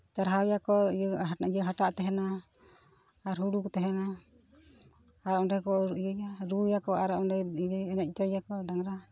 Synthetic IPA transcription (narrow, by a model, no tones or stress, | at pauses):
t̪aɾɦawjakɔ | jəɦaʈaʔt̪ɛɦɛna | ɾɦuɽukɔt̪ɛɦɛna | aɾaʔɔɖɛkɔəjaɾujakɔʔaɾaʔɔɖɛɛnɛt̪̚t͡ʃɔjakɔdaŋɾa